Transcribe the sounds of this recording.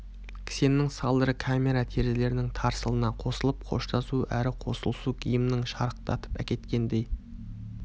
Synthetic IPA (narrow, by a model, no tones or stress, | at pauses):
kʲʰɪ̥se̞nːɪŋsɑlˠd̪əɾəkʰamʲe̞ɾat̪ʰe̞ɾd̪ele̞ɾɪnɪŋt̪ʰɑɾsəlˠənɑqʰo̞səlˠəp̚qʰo̞̰ʃt̪ɑsuʔæɾɪqʰo̞̰səlˠəsuɡʲʰijəmnɪŋʃɑɾəq̚t̪ɑ̰t̪ə̥pæ̰kʲe̞t̪kʲe̞nd̪e̞j